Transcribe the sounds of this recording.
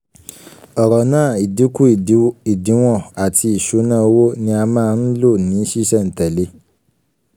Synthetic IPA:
ɔ˨ɾɔ˨nãː˦˨i˨di˨˦ku˦i˨di˨˦w̃ɔ̃˦˨a˨ti˧i˨ʃu˨˦nãː˦˨o˧wo˦nĩ˧a˧mãː˦˧n̩˦lo˦˨nĩ˨˦ʃi˦ʃɛ˦˨n̩˨tɛ˨le˧˦

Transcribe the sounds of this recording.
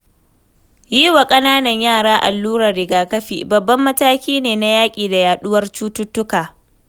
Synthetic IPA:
jiː˦wa˨kʼɐ˦naː˦nɐ˨ɲjaː˦˨ɽaː˦ʔa̰˨lːuː˦ɾɐː˨ɪ˨ɡaː˨kɐ˦ɸḭː˨bɐ˨bːɐ˦mːɐ˦taː˦kʲiː˦neː˨na˦jaː˦kʲʼiː˨da˨jaː˨ɗʊ˦wɐ˦rt͡ʃuː˦tʊ˦tːʊ˦kaː˨

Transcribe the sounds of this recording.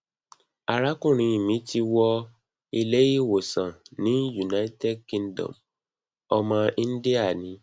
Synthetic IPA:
a˨ɾa˦kũ˦˨ɾ̃ĩ˨˧i˨mĩ˨˦ti˧wɔ˧ | i˧le˦ji˦˨wo˨sã˨nĩ˨˦ju˨na˨˦i˦tɛ˦˨dkĩ˧n˦dɔ̰̃˨m | ɔ˧mã˧ĩ˦n̩˦di˦a˦˨nĩ˨˦

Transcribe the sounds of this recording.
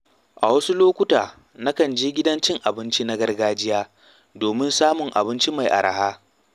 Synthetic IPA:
ʔa̰˨wɐ˦su˦loː˦kʷʊ˦taː˨ | na˦kɐ˨nd͡ʒeː˦ɡʲɪ˦dɐ˦nt͡ʃɪ˦ŋʔa˨bɪ˦nt͡ʃi˦na˦ɡɐ˦rɡaː˦d͡ʒɪ˦jaː˦ | doː˨mɪ˦nsaː˦mʊ˨ŋʔa̰˨bɪ˦nt͡ʃi˦ma˨jʔa̰˨ɽʔɐ̰˨haː˦

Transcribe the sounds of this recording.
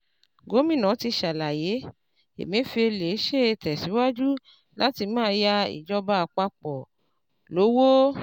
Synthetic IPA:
ɡo˨˦mĩ˦˨nã˨˦ti˧ʃa˨la˨je˨˦ | ḛ˨mĩ˦fi˧e˧le˨˦ʃe˦˨e˧˨tɛ˨si˨˦wa˦d͡ʒu˦ | la˦ti˧mãː˦ja˧ḭ˨d͡ʒɔ˧ba˦˧˨k͡pa˧k͡pɔ˨ | lo˨˦wo˦

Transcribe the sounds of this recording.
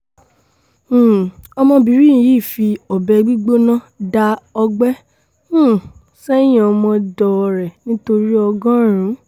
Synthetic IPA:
ɔ˧mɔ̃˧bi˨˦ɾĩ˦˨jiː˦˨fi˧ɔ˨bɛ˧ɡ͡bi˦ɡ͡bo˦nã˦ | da˧ɔ˧ɡ͡bɛ˦ | ũ˦˨ | sɛ˦j̃ĩ˦ɔ˧mɔ̃˧dɔ˨˧ɾɛ˨nĩ˦to˧ɾi˦ɔ˧ɡã˦˨ɾ̃ũ˨˦

